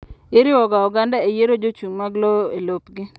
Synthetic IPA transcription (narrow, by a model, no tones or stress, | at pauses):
ɪɾɪwɔɡaɔɡandaejeɾod͡ʒot͡ʃuŋmaɡlɔelopɡɪ